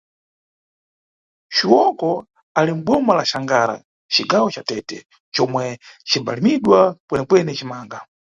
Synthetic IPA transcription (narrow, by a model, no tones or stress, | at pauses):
ʃiwɔkɔ | alim̩ɓɔmalaʃaŋɡaɾa̰ | t͡ʃiɡawɔt͡ʃatɛtɛ̰ | t͡ʃɔmwɛt͡ʃʰiba̰limiɗwakwɛnɛkwɛnɛt͡ʃimaːŋɡa